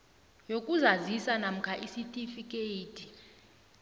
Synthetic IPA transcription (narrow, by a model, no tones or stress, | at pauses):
jokʼuzazisanam̩kʰaʔisitʼifikʼeitʰʼi̥